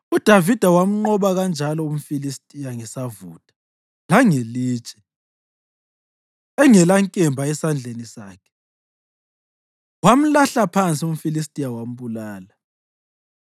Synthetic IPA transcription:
ud̥ʱavid̥ʱawam̩ŋ͡ǃɔβaɣand͡ʒʱalɔum̩filistʼijaŋisavuːtʼḁ | laŋeliːt͡ʃʼɛ̥ | ɛŋɛlaŋkʼɛmbʱaɛsand͡ɮʱenisaːkʰɛ̥ | wam̩laɬapʰant͡sʼium̩filistʼijawam̩ɓulaːla

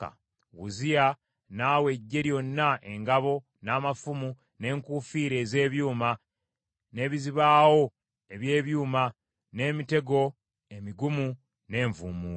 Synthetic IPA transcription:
a̰ | wuzija | naːwe̞ɟːe̞ɾjo̞nːaʔe̞ŋɡaβo̞ | naːmafumu | ne̞ːŋkufiːɾe̞ːze̞ːβjuːma | ne̞ːβiziβaːwo̞ | e̞βje̞ːβjuːma | ne̞ːmite̞ɡo̞ | e̞miɡumu | ne̞ːɱvumuː

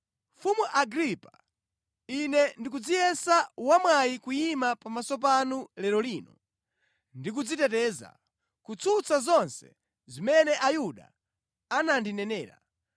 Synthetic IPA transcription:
fumuʔaɡɾipḁ | inɛndik̬ud͡zijɛsawamwajikujimapamasɔp̬anulɛɾɔliːnɔ | ndik̬ud͡zitɛtɛːza̰ | kut͡sʰut͡sazɔnsɛ̥̰ | zimɛnɛʔajuɗa̰ | anandinɛnɛːɾa̰

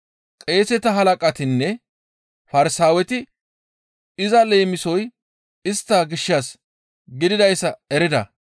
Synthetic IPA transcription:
kʼe̞ːsɛt̪ɐɦɐlɐkʼɐt̪ɪnːɛ | fɐɾɪsaːwɛt̪ɪ | ɪzɐle̞ːmɪsɔj | ɪst̪ːɐɡɪʃːɐs | ɡɪd̪ɪd̪ɐjsːɐɛɾɪd̪ɐ̰

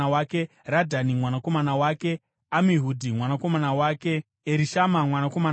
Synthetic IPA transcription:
waːke | radʱanimwanako̞manawaːke̞ | amiɦudʱimwanako̞manawaːke̞ | eɾiʃamamwanako̞man

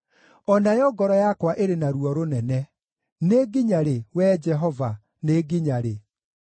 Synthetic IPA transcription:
ɔnajɔɡɔɾɔjakwaʔeɾenaɾuɔɾonɛnɛ | neɡiɲaɾewɛd͡ʒɛɦɔva | neɡiɲaɾe

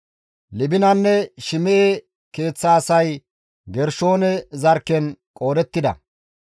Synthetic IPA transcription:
lɪbɪnɐnːɛʃɪmɛʔe | ke̞ːt͡sːɐːsɐj | ɡɛɾʃoːnɛzɐɾkːɛnkʼo̞ːdɛt̪ːɪd̪ɐ̰

